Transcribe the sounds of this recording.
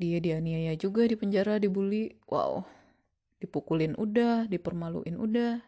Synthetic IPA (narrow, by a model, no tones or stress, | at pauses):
diadianiajad͡ʒuɡadipəɲd͡ʒaɾadibuliʔwʔa̰ṵ | d̥ipukulɪnʔudahdipərmalṵʔɪnṵdah